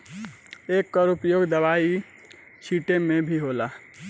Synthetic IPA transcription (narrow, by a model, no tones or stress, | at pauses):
ekːɔɾupjoɡd̪əbai | t͡ʃʰiʈemẽbʱiɦola